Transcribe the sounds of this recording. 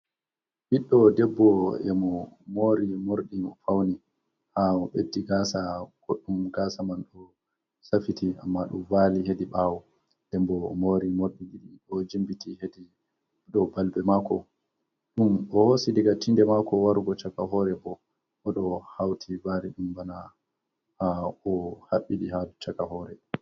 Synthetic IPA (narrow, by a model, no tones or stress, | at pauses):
biɗːɔdɛbːɔɛmɔmoɾimoɾɗinɔfawni | haɔɓedːiɡasaɡ̥oɗːumɡasamanɗɔ | safitʰiamːaɗṵmvaːliɦediɓawɔ | d̥ɛmbɔmoɾimoɾɗiɗiɗiɗɔd͡ʒimbitihedi | ɗɔbalbɛmakɔ | ɗumɔhosidiɡatindɛmakɔwaɾɡɔt͡ʃakaɦɔɾɛbɔ | ʔɔɗɔhawtʰivaɾiɗumbana | haɔhaɓːiɗihadɔt͡ʃakahɔɾɛ